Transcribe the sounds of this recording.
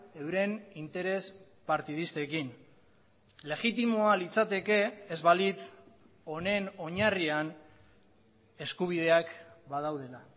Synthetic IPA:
e̞wɾe̞nint̪e̞ɾe̞s | paɾt̪iðist̪e̞kin | le̞ɣit̪̬imo̞alit͡sat̪e̞ke̞ːzβalit̪ | o̞ne̞no̞ɲarian | e̞skuβ̞ið̞e̞akbað̞awð̞e̞la

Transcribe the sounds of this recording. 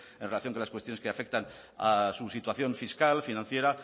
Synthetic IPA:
enrelaθjoŋkolaskwet̪joeskeafe̞k̚t̪an | a̰susit̪waθjo̞ɱfiskalfinãn̟θje̞ɾa

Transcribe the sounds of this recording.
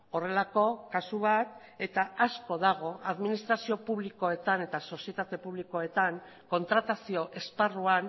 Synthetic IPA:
o̞re̞lako̞kasuβat̪ | e̞t̪aasko̞ðaɣ̞o̞aðminist̪ɾasio̞puβliko̞e̞t̪ane̞t̪aso̞sie̞t̪at̪e̞puβliko̞e̞t̪aŋ | ko̞nt̪ɾat̪asio̞ʔe̞sparuan

